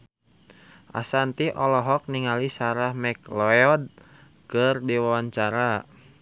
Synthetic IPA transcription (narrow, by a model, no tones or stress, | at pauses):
ʔa̰sant̪iʔɔlɔɦɔk̚niŋalisaɾahmɛklɔjɔd̚ | kərdiwawaɲt͡ʃaɾa